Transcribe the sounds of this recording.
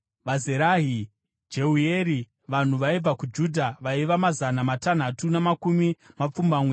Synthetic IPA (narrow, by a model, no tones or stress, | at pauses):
ʋazeɾaːɦi | d͡ʒe̞ujeɾi | ʋan̤uʋaib͡vakud͡ʒudʱaʋaiʋamazanamatan̤atunamakumimap͡fumbamweː